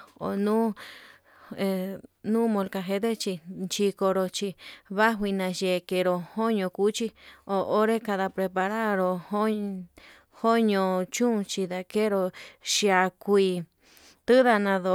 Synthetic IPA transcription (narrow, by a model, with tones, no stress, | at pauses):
o̰˨nũː˦ | e˧nũː˦mõ˧lka˧ɦe˧˦d̪e˦t͡ʃi˧nt͡ʃi˧ko˧ɾo˧t͡ʃi˧βa˦ɦwi˧nã˧ʒe˧˨ke˧˨˧ɾo˧ho˦ɲõ˧ku˦t͡ʃi˧o˨o˦ɾe˦ka˧ða˧pɾe˧pa˧ɾa˦ɾo˧ho˦ | ho˦ɲõ˧t͡ʃũ˦˧t͡ʃi˧ða˧ke˦ɾo˧ʃi˧a˧kʷi˧ | t̪ɨ˦ða˧nã˧ðo˧